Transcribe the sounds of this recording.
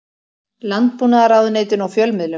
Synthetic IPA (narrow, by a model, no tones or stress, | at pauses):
lant̪̚puːnaðaɾaːwðʏneːjt̪ɪnawfjœlmɪðlʏ